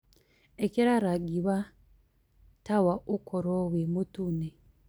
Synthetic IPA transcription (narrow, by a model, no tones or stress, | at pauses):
eciɾaɾaɡiβa | tawaʔukʰoɾowemutune